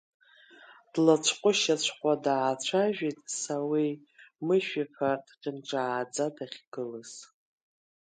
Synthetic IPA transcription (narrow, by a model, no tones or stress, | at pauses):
d̥lat͡ʃʷʰqʷʼʊʃat͡ɕʷʰχʷʼadaːt͡ɕʷʰaʒᶣitʼsawi | mɨʃᶣifʰartʰʼqʲʼɪnʈ͡ʂʼaːd͡zadaχʲɡ̥ɨlɨz̥